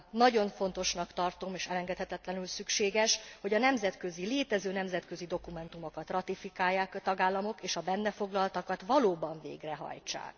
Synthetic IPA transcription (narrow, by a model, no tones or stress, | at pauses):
nɒɟo̞ɱfo̞nt̪o̞ʃnɒkt̪ɒrt̪o̞meːʃɛlɛŋɡɛt̪hɛt̪ɛt̪lɛnylsykʃeːɡɛʃho̞ɟɒnɛmzɛt̪køzileːt̪ɛzøːnɛmzɛt̪kø̞zid̪o̞kumɛnt̪umo̞kɒt̪rɒt̪ifikaːjːaːkt̪ɒɡaːlːɒmo̞keːʃɒbɛnːɛfo̞ɡlɒlt̪ɒkɒt̪ʋɒloːbɒɱvḛːɡrɛɦɒ̰jt͡ʃa̰ːk